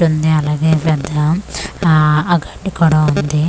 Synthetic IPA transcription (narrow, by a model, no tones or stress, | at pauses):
und̪iɐlaːɡeːpɛd̪ːɐ | ɡɐɳɖikɔɽɐund̪i